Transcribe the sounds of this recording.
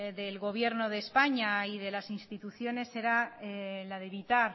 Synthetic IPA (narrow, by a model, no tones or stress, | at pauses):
ðe̞lɣo̞β̞je̞ɾnoð̞e̞spaɲaiðe̞lasinst̪it̪uθjo̞ne̞se̞ɾalaðe̞βit̪aɾ